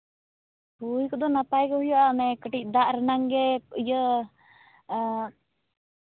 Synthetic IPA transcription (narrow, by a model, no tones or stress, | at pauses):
hujkɔd̪ɔnapajkɔhujɔʔanɛkəʈic̪̚ˀd̪aʔɾənaŋɡɛəjə